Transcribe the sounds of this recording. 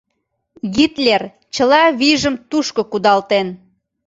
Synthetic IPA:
ɣit̪lʲer | t͡ɕəlɑβiʒəmt̪uʃkokud̪ɑlt̪en

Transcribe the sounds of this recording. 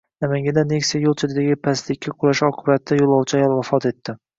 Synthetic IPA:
namaŋɡʲad̪anekʲsajolˠt͡ʃʰed̪ɪd̪aɡʲɪpʰast̪ɪkʲːaqʰʊlaʃɒqʰʊbat̪ːajolˠɒwt͡ʃʰjalwafɒt̪e̞t̪ʰːɪ

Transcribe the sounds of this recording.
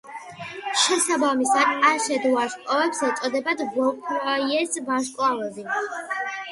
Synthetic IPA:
ʃɛsabamisaaʃɛd̪vaʃkʼavɛpsɛt̪sʼɔd̪ɛbad̪bɔkʰɾaiɛsvaʃkʼlˠavɛzi

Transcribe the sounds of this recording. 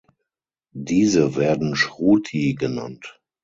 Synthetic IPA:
diːzəvɛːɐdn̩ʃʁuːtʰiɡəna̰nt

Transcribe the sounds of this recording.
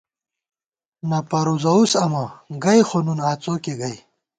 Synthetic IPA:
nɐpɐɾuzɐusɐmɐɡɐjxonunaːt͡sokeɡɐj

